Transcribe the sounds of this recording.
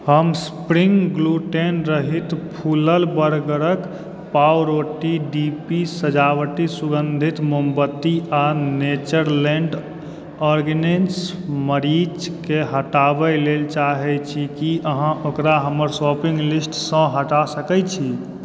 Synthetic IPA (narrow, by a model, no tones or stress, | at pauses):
həmspɾiŋɡɡluʈenɾəɦit̪pʰuləlbəɾɡəɾək | pawɾoʈiɖipisəd͡ʒawʈisuɡənd̪ʱit̪mombət̪ːianet͡ʃəɾlẽɳɖ | ɔɾɡnensməɾid͡ʒkeɦəʈabəlelt͡ʃaɦɛt͡ʃʰikiʔəɦãʔokɾaɦəməɾsɔpĩŋɡlisʈsə̃ɦəʈasəkɛt͡ʃʰi